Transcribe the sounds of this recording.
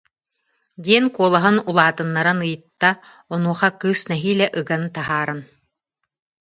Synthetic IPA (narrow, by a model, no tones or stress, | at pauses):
d̪ʲiɛnkuɔlˠaɦɯnulˠaːt̪ɯnːaɾanɯjɯt̪ːa | ɔnuɔχakɯːsnɛɦiːlɛʔɯɡant̪aɦaːɾɯn